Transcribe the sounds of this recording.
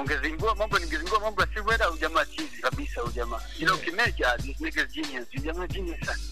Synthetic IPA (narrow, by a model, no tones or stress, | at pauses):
uŋɡɛziŋɡuamambɔniŋɡɛziŋɡuamambɔjasiβwɛɾaud͡ʒamaːt͡ʃizikabisaud͡ʒamaːd͡ʒiɾaukimɛd͡ʒainɛɡɛsd͡ʒiniansid͡ʒamad͡ʒinɛsana